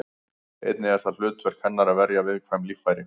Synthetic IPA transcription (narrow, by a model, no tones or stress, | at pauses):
ḛjt̪nɪɛɾ̥θal̥ʏːt̪ʰvɛɾ̥kʰvɛnːaɾaðvɛɾjavɪðkʰvajmliːfajɾɪ